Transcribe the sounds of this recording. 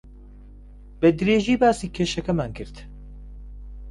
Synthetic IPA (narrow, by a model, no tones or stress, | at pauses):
b̥ɛd̪ɨɾeːʒiːbaːsiːkʰeːʃɛkɛmankʰɨɾt̪